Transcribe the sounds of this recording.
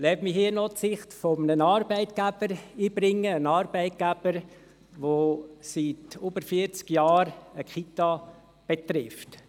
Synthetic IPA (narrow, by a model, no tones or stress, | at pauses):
lɛbmɪhiːnɔtsɪχtfɔmnənɑːɾbɛɪt̪ɡ̥æb̥əɾiːbɾɪŋːəənɑːɾbɛɪt̪̚ɡ̥æb̥əɾ | ʋositobəɾfiəɾt͡skjɑːɾəkχitɑ | b̥et̪ɾɪft